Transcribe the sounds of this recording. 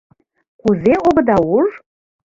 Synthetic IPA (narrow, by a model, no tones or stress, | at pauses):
kuzeobə̆d̪ɑuʒ